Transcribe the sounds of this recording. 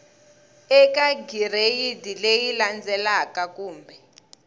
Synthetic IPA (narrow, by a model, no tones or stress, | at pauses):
ɛkaɡirejidilejiland͡zɛlakakuːmbʱɛ